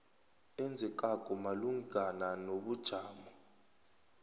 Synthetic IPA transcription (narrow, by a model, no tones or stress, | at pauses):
ɛnd͡zʱɛk̬ʼakʼɔmaluŋɡananoɓud̥ʒ̥ʱaːmɔ